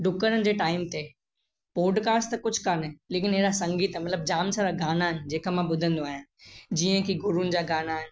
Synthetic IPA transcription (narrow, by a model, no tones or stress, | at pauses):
ɖʊkəɾənɪ̆d͡ʑeːʈaːɪmt̪e | pɔːɖkaːsʈt̪ɐkʊd͡ʑʱkaːnɦɛleːkɪnɦeːɾasɐ̃ŋɡiːt̪mɐt̪ləb̚d͡ʑaːmsəɾaɡaːnaɦɪnɪ̆d͡ʑeːkəmãɓʊd̪ʱə̃nd̪oaːɦjɪnɪd͡ʑiə̃kiɡʊɾunɪ̆d͡ʑaːɡaːnaɦɪnɪ̆